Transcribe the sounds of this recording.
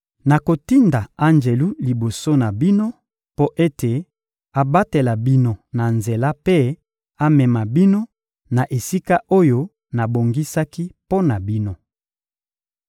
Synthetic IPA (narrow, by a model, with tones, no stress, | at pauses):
na˨ko˨ti˦nda˨a˦nd͡ʒe˨lu˦li˨bo˨so˦na˨bi˦no˦ | po˦ʔe˦te˨ | a˨ba˦te˨la˨bi˦no˦na˨nze˨la˦pe˦ | a˨mɛ˨ma˨bi˦no˦ | na˨ʔe˨si˦ka˦ʔo˦jo˦ | na˨bo˨ŋɡi˦sa˦ki˦po˦na˨bi˦no˦